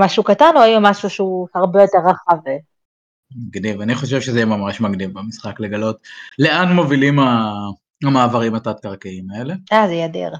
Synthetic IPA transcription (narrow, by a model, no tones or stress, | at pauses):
maʃukatanloajamaʃuʃeuhaʁbejo̞te̞ʁːaχav | mɐɡnivaniχo̞ʃ̬evʃezɛjemamaʃmaɡnivbemisχakle̞ɡalo̞t̪le̞anmo̞vilima | amaːvaʁimatat̪̚kaʁkiimaele̞azejad̪ḭʁ